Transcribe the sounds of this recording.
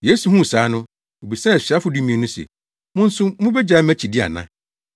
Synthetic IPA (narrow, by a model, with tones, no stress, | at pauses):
jeː˦su˨ɦũ˦˨saː˨˦nʊ̃˦ | o˨bi˨sã˦˨ɕa˦fʊ˨du˦mĩ˨nʊ̃˦sɛ̰˨ | mʊ̃˦n̩˦sʊ˦mʊ̃˦bɛ˦d͡ʑa˨˦mæ̃˦t͡ɕʰi˨dɪ˦a̰˨nã̰˦